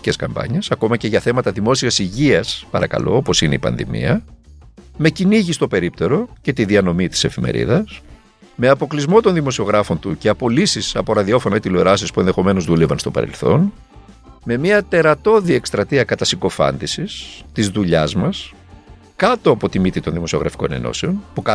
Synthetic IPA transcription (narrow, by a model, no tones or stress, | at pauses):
ce̞skɐ̰mbɐ̰ɲe̞sɐko̞mɐce̞ʝɐθe̞mɐt̪ɐðimo̞siɐsiʝiɐspɐɾɐkɐ̰lo̞̰opo̞sine̞̰ipɐ̰nðḭmḭɐ | me̞ciniʝist̪o̞pe̞ɾip̚t̪e̞ɾo̞ce̞t̪iðiɐno̞mit̪i̥se̞fime̞̰ɾḭðɐs | me̞ɐpo̞klizmo̞t̪o̞nðimo̞sio̞ɣɾɐfo̞nt̪uce̞ɐpo̞lisisɐpo̞ɾɐðio̞fo̞nɐit̪iloeɾɐsispue̞nðexo̞me̞no̞zðulevɐnst̪o̞pɐ̰ɾḛlθo̞̰n | me̞miɐt̪e̞ɾɐt̪o̞ðie̞kst̪ɾɐt̪iɐkɐt̪ɐsiɡo̞fɐ̰nd̪isist̪izðuʎɐzmɐs | kɐt̪o̞ɐpo̞t̪imit̪it̪o̞nðimo̞sio̞ɣɾɐfi̥ko̞̰ne̞̰no̞̰se̞o̞npukɐ